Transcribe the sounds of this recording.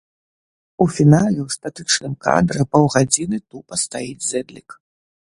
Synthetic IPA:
ufʲinalʲɛwst̪at̪ɨt͡ʂnɨmka̰d̪ɾɨpɐwɣad͡zʲinɨt̪upɐst̪ajid͡zʲzɛd̪lʲik

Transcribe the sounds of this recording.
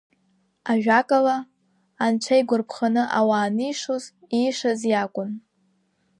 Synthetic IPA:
aʒᶣakʼalaː | nt͡ʃʷʰajɡʷʊrpʰχanɨʔawaːnɨjʂoz | iʂazjakʷʼʊn

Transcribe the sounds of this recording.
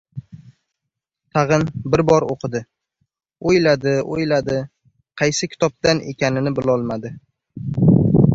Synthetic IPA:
t̪ʰɑʁɨnbɪɾbɒɾoqʰɨd̪ɪ | ojlad̪ɪojlad̪ɪ | qʰɑjsɪkʲʰɪ̥t̪ʰɒp̚t̪ane̞̰kʲanɪnɪbɪlɒlˠmad̪ɪ

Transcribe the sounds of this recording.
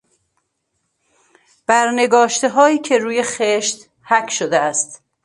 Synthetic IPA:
b̥æɾne̞ɡɒːʃt̪eɦɒːiːcʰe̞ɾuːje̞xeʃt̪ | hækʰʃod̪eæst̪

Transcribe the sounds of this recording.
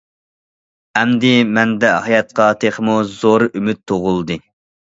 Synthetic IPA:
ɛmd̪ɪmɛnd̪ɛhɑjɑt̪̚qɑt̪ʰeχmuzoɾymyt̪ʰːoʁʊlˠd̪ɨ

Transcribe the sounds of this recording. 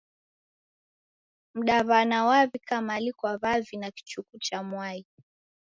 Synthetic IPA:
m̩ɗaβanawaβikamaːlikwaβavinaki̥t͡ʃukut͡ʃamwai

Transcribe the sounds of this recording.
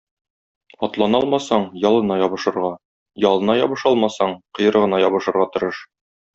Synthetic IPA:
ɒt̪lˠɑnɑɒlˠmɑsɑɴjɒlˠɤ̆nɑjɒbɤ̆ʃɤ̆ɾʁɑ | jɒlˠɤ̆nɑjɒbɤ̆ʃɒlˠmɑsɑɴqɤ̆jɤ̆ɾʁɤ̆nɑjɒbɤ̆ʃɤ̆ɾʁɑt̪ŏɾɤʃ

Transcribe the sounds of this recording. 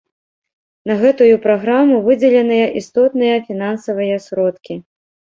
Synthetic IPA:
nɐɣɛt̪ujupɾaɣɾamuvɨd͡zʲɛlʲɛnɨjɐʔist̪ɔt̪nɨjɐfʲin̪ansɐvɨjɐsɾɔt̪kʲi

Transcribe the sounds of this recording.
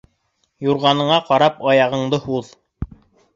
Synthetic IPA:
juɾʁɑnɤ̆ɴɑqɑɾɑpɑjɑʁɤ̆ɴd̪ɤhuð

